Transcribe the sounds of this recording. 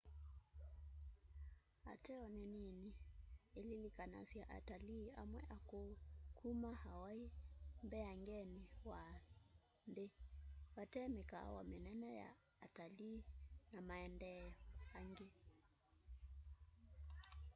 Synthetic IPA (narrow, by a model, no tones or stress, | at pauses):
a̰tɛɔnɛninielilikana̰sjaʔa̰talia̰mwɛʔakokʰumahawaimbɛaŋɡɛniwa | ndewatɛmeka̰wa̰menɛnɛja̰ː | talinamaɛndɛjɔaŋɡe